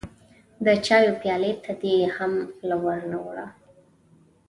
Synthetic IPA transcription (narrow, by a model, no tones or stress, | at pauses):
d̪ət͡ʃɑjopjɑlet̪ʰad̪ehamlawaɾnawɽa̰